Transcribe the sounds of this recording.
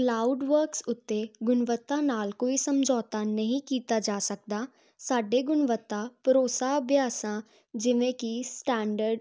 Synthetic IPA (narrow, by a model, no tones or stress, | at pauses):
klaːʊɖʋəɾksʊt̪ːeɡʊnʋət̪ːãːnaːlkoːisəmd͡ʒʱɔːt̪aːnəɦĩkiːt̪ad͡ʒaːsək̚d̪aː | saːɖeɡʊnʋət̪ːaːpəɾoːsaːbjaːsãː | d͡ʒɪʋẽkisʈɛ̃ːɳɖəɾɖ